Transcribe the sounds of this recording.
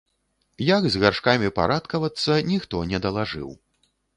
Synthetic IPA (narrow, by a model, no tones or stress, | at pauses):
jaɡzɣarʂkamʲipa̰ɾat̪kɐvɐt̪sːɐnʲixt̪ɔnʲɛd̪ɐlˠaʐɨ̰w